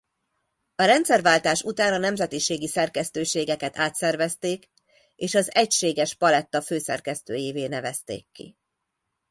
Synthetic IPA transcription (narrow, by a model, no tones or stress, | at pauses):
ɒɾɛnt̪sɛrvaːlt̪aːʃut̪aːnɒnɛmzɛt̪iʃeːɡisɛrkɛst̪øːʃeːɡɛkɛt̪aːt̪sɛrvɛst̪eːk | eːʃɒzɛcʃeːɡɛʃpɒlɛt̪ːɒføːsɛ̰rkɛst̪øːjiːveːnɛvɛst̪ḛːkːḭ